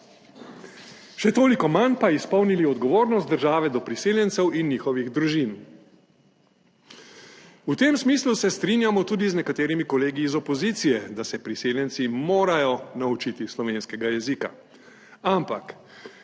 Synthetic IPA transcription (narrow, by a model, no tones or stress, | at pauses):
ʃɛt̪oːlikɔmanpaispɔwniliɔd̪ɡɔʋoːɾnɔst̪̚d̪əɾʒaːʋɛd̪ɔpɾiseːljɛnsɛwinːjiːxɔʋiɣd̪ɾuʒin | ut̪emsmiːslusɛst̪ɾiːnjamɔt̪uːd̪iznɛkat̪eːɾimikɔleːɡiːzɔpɔziːt̪sijɛd̪asɛpɾiseːljɛnsimoːɾajɔnaut͡ʃit̪islɔʋeːnskɛɡajɛzika̰ | ampak